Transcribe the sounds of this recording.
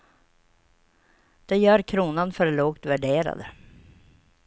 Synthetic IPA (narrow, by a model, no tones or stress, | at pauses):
d̪̥ɛjœːɾkʰɾuːnanfœɾloːkt̪væɖeːɾa̰d̪ə